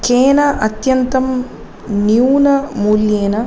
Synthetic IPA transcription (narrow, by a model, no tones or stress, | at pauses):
keːnɐʔɐt̪jɐnt̪ɐm | njuːnɐmuljeːnɐ